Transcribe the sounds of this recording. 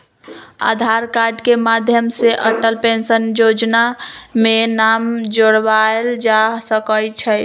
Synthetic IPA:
a̰d̪ʱaɾkaɾɖkemad̪ʱjəmseʔəʈəlpensənjod͡ʒnamenamd͡ʒoɽbaeld͡ʒasəkəlt͡ʃʰɛ

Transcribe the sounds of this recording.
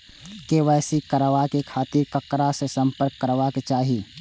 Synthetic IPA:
keʋɛːsikəɾʋakekʰaːt̪iɾkəkɾasesə̃mpəɾkːəɾʋaket͡ʃaːɦi

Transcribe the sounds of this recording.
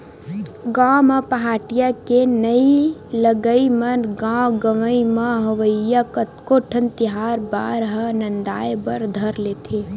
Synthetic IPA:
ɡãːmə̃pɐɦaːʈijakenəiləɡəimənɡãːɡəʋəimə̃ɦɐʋəːakkoʈʰənt̪ɪɦaːɾbaːɾɦənɐnd̪aːjbəɾd̪ʱəɾleːt̪ʰe

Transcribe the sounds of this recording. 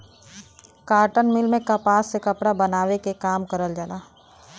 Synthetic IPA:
kaːɾʈənmɪlmẽkɐpaːsːekɐpɽabɐnaːwekekaːmkəɾəld͡ʒalaː

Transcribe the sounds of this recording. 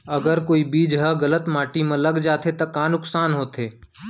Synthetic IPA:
ɐɡəɾkoːibiːd͡ʒɦɐɡɐlət̪maːʈimẽlɐɡd͡ʒaːt̪et̪ɐkaːnʊksaːnɦoːt̪eː

